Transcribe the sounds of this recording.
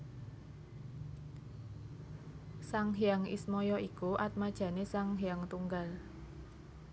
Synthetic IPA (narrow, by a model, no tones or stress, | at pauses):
saŋɦijaŋḭsmɔjɔʔikuʔat̪̚mad̥ʒ̥ä̤nesaŋɦijaŋt̪uŋɡal